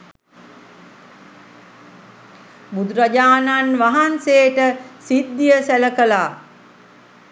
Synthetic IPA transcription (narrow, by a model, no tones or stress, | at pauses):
bud̪ɾad͡ʒaːnanʋaɦanseːʈəsid̪ːjəsæləkəlaː